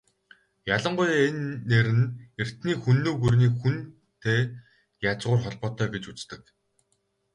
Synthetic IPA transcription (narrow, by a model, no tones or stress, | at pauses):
jaɮə̆ɴɢʊjenːeɾɘ̆ner̥t̪niːxunːoːɣurniːxun | t̪ʰeː | jat͡sʁʊːrχɔɮpɔːt̪œːɡet͡ɕut͡st̪ɘ̆k